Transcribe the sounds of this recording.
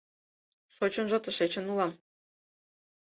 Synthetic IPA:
ʃot͡ɕŏnʒŏt̪ə̆ʃet͡ɕə̆nulˠɑm

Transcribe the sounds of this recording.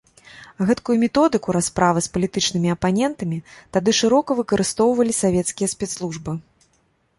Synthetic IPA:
ɣɛt̪kujumʲɛt̪ɔd̪ɨkuɾaspɾʔavɐspɐlʲit̪ɨt͡ʂnɨmʲiɐpanʲɛnt̪ɐmʲit̪ad̪ɨʂɨɾɔkɐvɨkɐɾʔɨst̪ɔwvɐlʲisavʲɛt̪skʲijɐsʲpʲɛt̪slˠuʐbɨ

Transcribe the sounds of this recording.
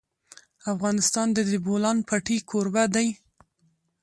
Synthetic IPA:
afɣɑnɪst̪ɑnd̪əd̪ɪbolɑnpʰaʈikʰoɾbad̪aj

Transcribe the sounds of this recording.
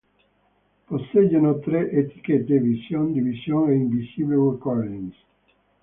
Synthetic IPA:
poseɟːanot̪ɾeʔet̪i̥ket̪ːevisjond̪ivisjoŋeiɱvisibewukɔɾdins

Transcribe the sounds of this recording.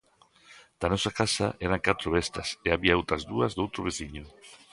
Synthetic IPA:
d̪̥anɔsakasɐʔɛɾaŋkat̪ɾʊβɛst̪ɐseaβiaowt̪ɾɐzðuɐzðowt̪ɾʊβ̞eθiɲʊ

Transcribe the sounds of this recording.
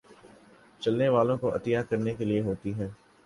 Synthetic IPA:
t͡ʃɐlneʋaːlõkoɐ̰t̪ɪjakɐɾnekelieɦoːt̪iɦɛː

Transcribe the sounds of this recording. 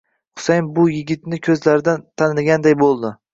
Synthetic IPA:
χʊ̥sajmbʊjɪɡʲɪt̪nɪkʲʰɵzlaɾɪd̪ant̪ʰanɪlɡʲand̪ajbolˠd̪ɪ

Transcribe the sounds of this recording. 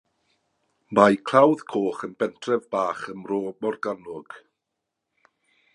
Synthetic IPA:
majkʰl̥ˠawðkʰoːχənbɛntʰrɛvbaːχəmroːmɔrɡanʊɡ̥

